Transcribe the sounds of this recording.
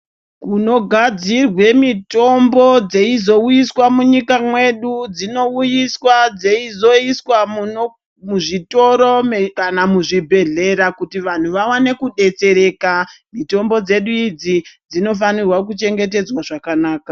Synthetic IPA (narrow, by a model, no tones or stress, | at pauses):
kuno̞ɡʱad͡zirwe̞mito̞mbo̞d͡ze̞izo̞ujiswamuɲikamwe̞ɗud͡zino̞ujiswad͡ze̞izo̞iswam | muʐito̞ɾo̞mkanamuʐibʱe̞ɮe̞ɾakutiʋan̤uʋawane̞kuɗe̞t͡se̞ɾe̞ːkamito̞mbo̞d͡ze̞ɗuid͡zid͡zino̞fanirwak̬ut͡ʃe̞ŋɡe̞te̞d͡zwaʐakanaːka